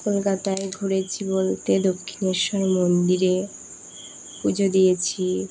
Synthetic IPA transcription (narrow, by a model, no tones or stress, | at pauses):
kolkat̪aeɡʱoɾet͡ɕʰibolt̪ed̪okʰːineɾʃɔɾmonɖiɾe | pud͡ʑʱod̪ijet͡ɕʰi